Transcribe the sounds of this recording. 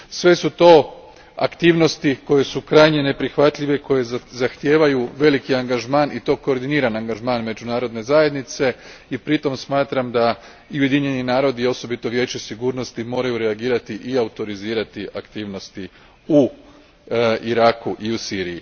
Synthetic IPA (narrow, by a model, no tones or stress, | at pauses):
sʋe̞sut̪o̞ː | a̰kt̪iːʋno̞st̪iko̞je̞sukɾajɲene̞pɾixʋat̪ʎʲiʋe̞ko̞je̞zaxt̪je̞ːʋajuʋe̞likiaŋɡaʒmaːnʔit̪o̞ːko̞ːɾd̪iniːɾanaŋɡaʒmaːnme̞d͡ʒunaːɾo̞d̪ne̞zaje̞d̪nit̪se̞ipɾit̪o̞msmaːt̪ɾamd̪a | iuje̞d̪iɲe̞ninaːɾo̞d̪io̞so̞bit̪o̞ʋje̞ːt͡ɕesiɡuːɾno̞st̪imo̞ːɾajuɾeaɡiːɾat̪iʔiaut̪o̞ɾiziːɾat̪iʔakt̪iːʋno̞st̪i | u | iɾaːkuʔiusiːɾiji